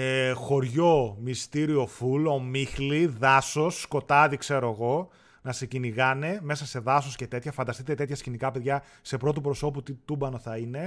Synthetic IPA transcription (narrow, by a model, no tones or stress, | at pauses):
exo̞ɾʝo̞mist̪iɾio̞fulo̞mixliðɐso̞sːko̞t̪ɐðikse̞ɾoɐɣo̞ | nɐseciniɣɐne̞me̞sɐse̞ðɐso̞sce̞t̪e̞t̪çɐfɐnd̪ɐst̪it̪et̪e̞t̪çɐscinikɐpeðʝɐ | se̞pɾo̞t̪upɾo̞so̞put̪it̪ubɐno̞θɐine̞